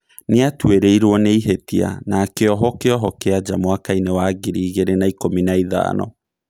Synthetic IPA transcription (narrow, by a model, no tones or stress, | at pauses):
neatweɾeiɾwɔneiɦetia̰naːkeɔɦɔkeɔɦɔkead͡ʑamoakainewaɡiɾiːɣeɾenaikominaiða̰ːnɔ̰